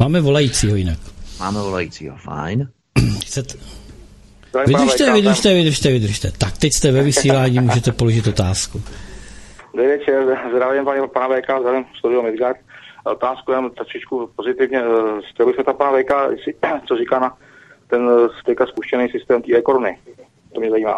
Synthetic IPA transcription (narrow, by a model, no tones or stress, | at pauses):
maːmɛvo̞lajiːt͡siːɦo̞jɪnakmaːmɛvolajit͡siːɦofa̰jn | xt͡sɛt̪ | zd̪ɾavivɪdɾʃt̪ɛvɪd̪ɾ̩ʃt̪ɛvɪd̪r̩ʃt̪ɛvɪd̪r̩ʃt̪ɛt̪akt̪ɛcst̪ɛvɛvɪsiːlaːɲiːmuːʒɛt̪ɛpolo̞ʒɪt̪o̞t̪aːsku | d̪ɾɛjvɛt͡ʃɛɾzd̪ɾavɪmpaɲɛpanavɛjkazd̪ɾavɪmst̪oɾɪlomɛzɡat̪ot̪aːskuɛnamt̪ɾaʃɪt͡ʃkupozɪt̪ɪvɲɛscɛlobɪsɛt̪apanavɛjkasɪt͡soɾikaːna | t̪ɛnst̪ɛkaspuʃcɛnɛjsɪst̪ɛːmt̪iːɾɛkoɾunɪ | t̪omɲɛzajiːma̰ː